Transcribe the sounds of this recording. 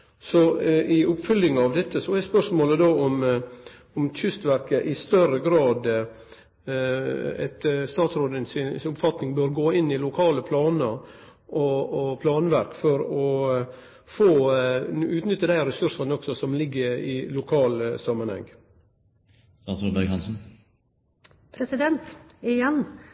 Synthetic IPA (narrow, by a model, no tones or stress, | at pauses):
sɔɪʊpfʏlːɪŋɑʋd̪ɛt̪ʰːəsɔɛspœʂmoːləd̪oːɔm | ɔmʰʏst̪ʋæɾkəʔɪst̪œɾəɡɾɑːd̪ | ɛ̰t̪st̪ɑːt̪sɾoːd̪ənsɪnʊpfɑt̪nɪŋbøːɾɡoːɪnːɪlʊkʰɑːləpʰlɑːnəɾ | ʔɔɔpʰlɑːnʋæɾkfɔɾɔ | foː | ʉːt̪nʏt̪ːəd̪æɪɾɛsʉɾʂənɔksɔsɔmlɪɡːəɾɪlʊkʰɑːlsɑmːɑnhɛ̰ŋ | st̪ɑːnsɾoːd̪bɛɡhɑnsn̩ | pʰɾɛsɪd̪ɛnt̪ɪjɛn